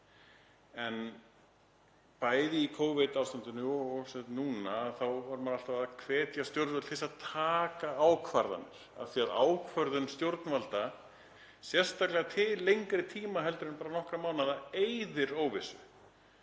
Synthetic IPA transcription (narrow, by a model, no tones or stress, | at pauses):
ɛn | paːjðɪikʰowvɪt̪awfst̪ant̪ʏnʏsɛt̪nːuːnaːðθawvaɾmaɾal̥t̪avaðkʰvɛːt̪jast̪jowɾt̪vɛt̪θɪsaðt̪ʰaːkaawkʰvaɾða̰nːɪɾ̥a̰ðθiaðaːwkʰvœɾðʏnst̪jowɾt̪nvalt̪a | sjɛr̥st̪aklɛɣat̪ʰɪllːejŋkɾɪt̪ʰiːmaɦɛlt̪ʏɾɪnpaːɾanɔhkɾamaːwnaðaejðɪɾoːwvɪsʏ